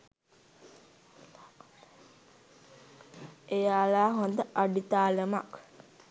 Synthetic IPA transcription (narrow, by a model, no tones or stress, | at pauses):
ejaːlaːɦond̪əʔaɖit̪aːləma̰k